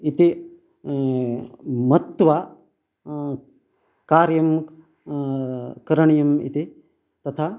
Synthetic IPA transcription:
it̪i | mɐt̪ːʋa | kaːɾjɐm | kɐɾɐɳijɐmḭt̪i | t̪ɐt̪ʰaː

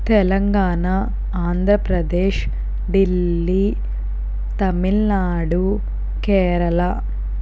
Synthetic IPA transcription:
t̪ɛlɐŋɡaːɳa | aːnd̪ʱɾɐpɾɐd̪eːʃ | ɖilːi | t̪ɐmilnaːɽu | kɛːɾɐlɐ

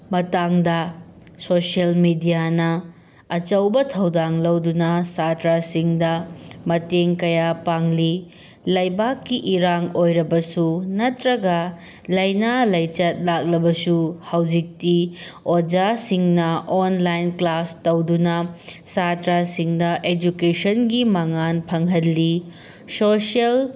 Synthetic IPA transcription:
mɐtaŋdɐsoselmidijanɐ | ɐt͡ʃɐwbɐtʰɐwdaŋlɐwdunɐsatɾasiŋdɐmɐteŋkɐjapaŋli | lɐjbakːiʔiɾaŋojɾɐbɐsunɐtɾɐɡɐ | lɐjnalɐjt͡ʃɐt̚lak̚lɐbɐsuhawd͡ʒik̚tiod͡ʒasiŋnɐʔonlajnklastɐwdunɐsatɾasiŋdɐʔed͡ʒukesɐnɡimaŋanpʰɐŋɦɐlːi | sosiel

